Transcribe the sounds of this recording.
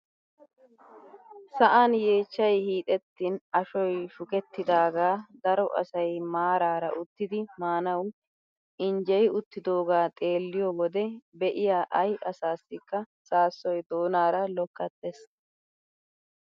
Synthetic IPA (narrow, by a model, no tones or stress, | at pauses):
sɐʔanje̞ːt͡ʃːɐjhiːt̪ʼɛt̪ːinɐʃɔjʃʊkʼɛt̪ːɪd̪aːɡaːd̪ɐɾɔʔɐ̰sɐjmaːɾaːɾɐ̰ʔʊt̪ːɪd̪ɪmaːnɐw | ɪnd͡ʒɛjʊt̪ːɪd̪o̞ːɡaːt̪ʼe̞ːlːɪjɔwɔd̪ɛbɛʔɪjaːʔɐjʔɐsaːsːɪkːɐ | saːsːɔjd̪o̞ːnaːɾɐlɔkːɐt̪ːes